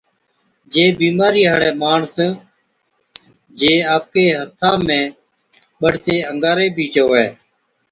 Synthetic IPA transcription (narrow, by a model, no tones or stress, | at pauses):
d͡ʒeːbiːmaːɾiːɦaːɽɛːmaːɳs | d͡ʒeːaːp̚keːɦət̪ʰːãːmẽː | ɓəɽ̤t̪eːəŋɡaːɾeːbʱiːd͡ʒoːɦɛː